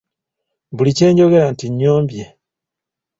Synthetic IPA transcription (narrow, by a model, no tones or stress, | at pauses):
βulice̞ːɲɟo̞ɡe̞ɾantiɲːo̞ːmbje